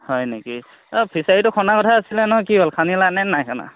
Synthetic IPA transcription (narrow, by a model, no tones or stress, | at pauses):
hɔjneki | pʰisaɹitʊkʰɔnakɔtʰaːsilɛnɔɦɔjkibolkʰanilanɛnajkʰana̰